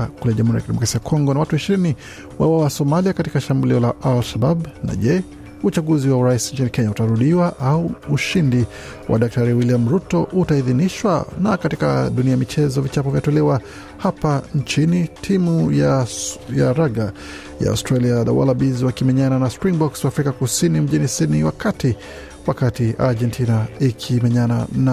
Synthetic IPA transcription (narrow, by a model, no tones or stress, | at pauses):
kulɛʄamuhuɾijakidɛmɔkɾasijakʰɔŋɡɔnawatuiʃiɾini | wawawasɔmaliakatikaʃambuliɔlaʔalʃababna̰ʄɛ | ut͡ʃaɡuziwauɾaisɲt͡ʃinikɛɲautaɾuɗiwaʔauːʃindi | wʔa̰ɗak̚taɾiwiliamɾutɔʔutaiðiniʃwa̰nakatika̰ɗuniamit͡ʃɛzɔvit͡ʃapɔvjatɔlɛwa | hapant͡ʃinitʰimujajaɾaɣa | ja̰a̰ustɾaliaða̰wa̰labizwakimɛɲananaspɾiŋbɔkswaːfɾikakusinim̩ʄinisiniwakati | wakatiʔaʄɛntinaikʰimɛɲanana